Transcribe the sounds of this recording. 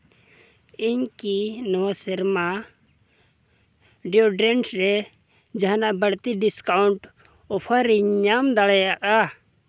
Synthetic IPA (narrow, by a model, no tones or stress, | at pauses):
iɲkinɔwasɛɾma | ɖioɖɾɛnsɾɛ | d͡ʒaɦnaʔbəɽt̪iɖiskauɳʈ | ɔpʰaɾiɲamd̪aɽɛjaʔa